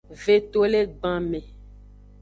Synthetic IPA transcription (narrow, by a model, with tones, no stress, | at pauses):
ve˨t̪o˦le˦ɡ͡bã˨mẽ˨